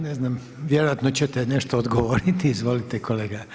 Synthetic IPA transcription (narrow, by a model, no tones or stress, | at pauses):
neznam | ʋjeɾojat̪not͡ɕet̪ɛneʃt̪oːd̪ɡoʋoɾit̪iizʋo̞lit̪ekoleːɡa